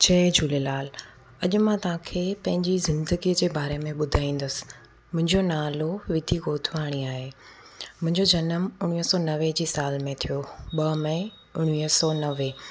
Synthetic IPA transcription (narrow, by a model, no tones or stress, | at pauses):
t͡ɕʰɛːd͡ʑuːlelaːl | ɐʄʊ̆mãt̪ɐʋ̤ãkʰeːpɐ̃ɦɪ̃ɲd͡ʑizɪ̃nd̪əɡiəd͡ʑeːbaːɾemẽɓʊd̪ʱaːĩːn̆d̪əsɪ̥̆ | mʊ̃ɦɪ̃ɲd͡ʑonaːloʋɪd̪ʱiɡoːt̪ʰʋaːɽ̃iaːɦeː | mʊ̃ɦɪ̃ɲd͡ʑod͡ʑɐnəmʊɽ̃iːɦəsɔːnɐʋed͡ʑiːsaːlmẽt̪ʰijoɓɐmɐ̃ɪ̃ | ʊɽ̃ʋiːsɔːnɐʋe